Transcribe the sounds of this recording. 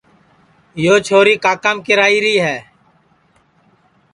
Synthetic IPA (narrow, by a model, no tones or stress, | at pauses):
joːt͡ʃʰoːɾiːkaːkamkɪɾaːiːɾiːɦɛː